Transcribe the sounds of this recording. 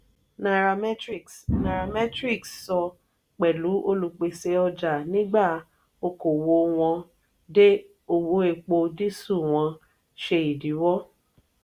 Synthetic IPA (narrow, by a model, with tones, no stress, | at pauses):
na˨ɾa˨mɛ˦tɾi˦˨kna˨ɾa˨mɛ˦tɾi˦˨kssɔ˧ | k͡pɛ˨lu˨˦ʔo˧lu˧k͡pe˧se˧ɔ˧d͡ʒa˨nĩ˦ɡ͡ba˦˨ | o˧ko˨wo˧w̃ɔ̃˧ | de˦ | o˧wo˨˦e˧k͡po˧di˦su˦˨w̃ɔ̃˧ | ʃe˧i˨di˨˦wɔ˦